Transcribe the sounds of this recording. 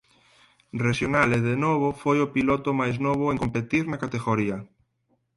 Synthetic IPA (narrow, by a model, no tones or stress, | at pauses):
reʃjonaleðenoβ̞ofojopilot̪omajznoβ̞oeŋkompet̪iɾnakat̪eɣoɾia